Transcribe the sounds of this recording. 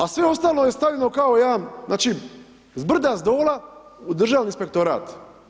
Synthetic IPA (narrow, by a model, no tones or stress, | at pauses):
asʋeo̞st̪aːloje̞st̪avʎʲeno̞kaojaamnaːt͡ʃi | zbr̩d̪azd̪o̞ːla | ud̪r̩ʒaːʋninspe̞k̚t̪oɾa̰ːt̪